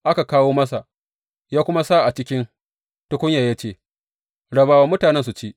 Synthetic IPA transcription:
ʔa˦ka˨kaː˦woː˦mɐ˦sa˨ | jaː˦kʷʊ˦ma˦sa˦ʔa˨t͡ʃɪ˦kʲɪ˦n | tʊ˦kʷʊ˦ɲjaː˨ja˦t͡ʃeː˦˨ | ɽɐ˨baː˨waː˦mʊ˦taː˨nɛ˦nsu˨t͡ʃeː˦ʔ

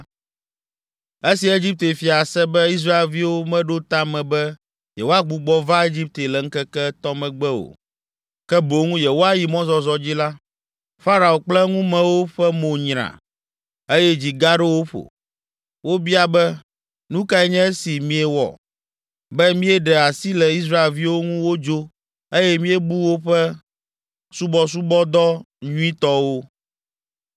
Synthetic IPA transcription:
e˦si˨e˦d͡ʑi˦p̚t̪e˨fi˨a˨sɛ˦bɛ˦i˦s̬ɾa˦e˨lvi˦wo˦mɛ̃˦ɖo˦t̪a˦mɛ̃˨bɛ˦ | jɛ˨wo˦a˦ɡ͡bu˨ɡ͡bɔ˦va˦e˦d͡ʑi˦p̚t̪e˨lɛ˨ŋ̩˦kɛ˦kɛ˦t̪ɔ˦mɛ̃˨ɡ͡bɛ˦o̰˨ | kɛ˦bo˨ŋũ˦jɛ˨wo˦a˦ji˨mɔ̃˦zɔ˨zɔ˨d͡ʑi˦la˦ | fa˦ɾa˨o˨k͡plɛ˦ŋũ˦mɛ̃˨wo˦ɸɛ˦mo˨ɲɾã̰˨ | e˦jɛ˦d͡ʑi˨ɡa˦ɖɛ˦wo˦ɸo̰˨ | wo˦bi˦a˨bɛ˦ | nũ˦ka˦ɛ˦ɲɛ̃˦e˦si˨mĩ˦ɛ˨wɔ̰˨ | bɛ˦mĩ˦ɛ˦ɖɛ˨a˨si˦lɛ˨i˦s̬ɾa˦e˨lvi˦wo˦ŋũ˦wo˦d͡ʒo˦ | e˦jɛ˦mĩ˦ɛ˦bu˦wo˦ɸɛ˦ | su˦bɔ˦s̬u˦bɔ˦d̪ɔ˦ | ɲũ˦ĩ˦t̪ɔ˦wo˦

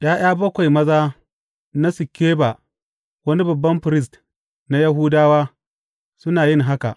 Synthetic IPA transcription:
j̰aː˦j̰aː˦bɐ˦kʷa˨jmɐ˦zaː˦ | na˦sʊ˨kʲːeː˦ba˨ | wɐ˦ni˦bɐ˨bːɐ˦mɸɾɪ˦s̬t | na˦jɐ˦ɦuː˦daː˦waː˦ | sʊ˦naː˨jɪ˦ŋɦa˦ka̰˨ʔ

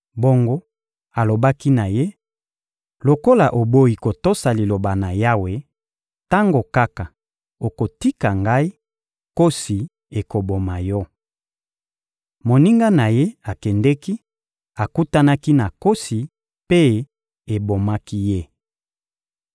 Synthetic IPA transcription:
bo˦ŋɡo˦ | a˨lo˨ba˦ki˦na˨je˦ | lo˨ko˦la˨ʔo˨bo˦i˨ko˨to˦sa˨li˨lo˨ba˨na˨ja˦we˨ | ta˦ŋɡo˨ka˦ka˨ | o˨ko˨ti˦ka˨ŋɡa˦i˦ | ko˦si˨ | e˨ko˨bo˨ma˨jɔ˦ | mo˨ni˦ŋɡa˦na˨je˦a˨kɛ˨ndɛ˦ki˦ | a˨ku˦ta˦na˦ki˦na˨ko˦si˨ | pe˦ | e˨bo˨ma˦ki˦je˦

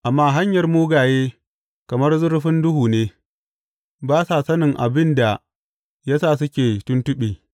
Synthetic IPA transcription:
ʔa˨mːaː˦ɦa˦ɲjɐ˨rmuː˦ɡaː˨jeː˦ | kɐ˨mɐ˦rzʊ˦ɾɸɪ˦ndʊ˦huː˨neː˦ | baː˦sa˨sɐ˦nɪ˨ŋʔa̰˨bɪ˦nda˨ | jɐ˦saː˦˨s̬ʊ˦kʲeː˨tʊ˦ntʊ˦ɓiː˨

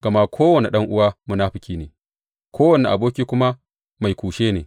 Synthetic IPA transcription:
ɡ̥ɐ˨ma˦kʷʰoː˦wɐ˨ne˨ɗɐ˦ŋʔʊ˦waː˦mu˦naː˦ɸɪ˨kʲiː˦neː˨ | kʷʰoː˦wɐ˨ne˨ʔa̰˨boː˦kʲiː˦kʷʊ˦ma˦ | ma˨jkʷuː˨ʃeː˦neː˨

